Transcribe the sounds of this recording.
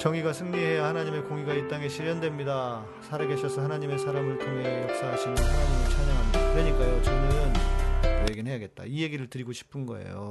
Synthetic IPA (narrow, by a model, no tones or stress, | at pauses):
t͡ɕʌŋiɡasʰɯŋɲiɦe̞jahanaɲime̞koŋiɡait̚t͈aŋe̞ɕʰiɾjʌndwe̞mɲida | sʰaɾaɡe̞ɕʰʌsʰʌɦanaɲime̞sʰaɾamɯɭtʰoŋɦe̞jʌk̚s͈aɦaɕʰinʌsʰaɾamɯnt͡ɕʰaɲʌŋɦandakɯɾeɲik͈ajot͡ɕʌnɯnkʌjeɡinɦejaɡe̞t̚t͈a̰ije̞ɡiɾɯɭtɯɾiɡoɕʰi̥pʰɯnɡʌ̰ḛjo̰